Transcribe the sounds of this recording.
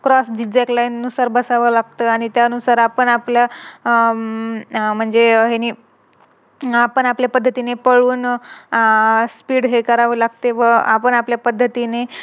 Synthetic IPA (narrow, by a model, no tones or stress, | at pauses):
kɾɔsd͡ʑid͡ʑeklajnnusaɾbəsaʋəlaɡt̪əaɽ̃it̪jaənusaɾapəɳaplja | m̤əɳd͡zeɦeniː | apəɳapljapəd̪ʱːət̪inepəɭuːn | spiːɽɦekəɾaʋəːlaɡ̚t̪eʋəapəɳapljapəd̪ʱːət̪ine